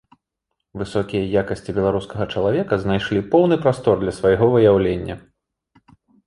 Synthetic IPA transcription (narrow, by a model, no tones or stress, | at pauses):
vɨsɔkʲijɐjakɐsʲt͡sʲibʲɛlˠaɾuskɐɣɐt͡ʂɐlˠavʲɛkɐznajʂlʲipɔwnɨpɾast̪ɔrd̪lʲɐsvajɣɔvɨjawlʲenʲːɐ̰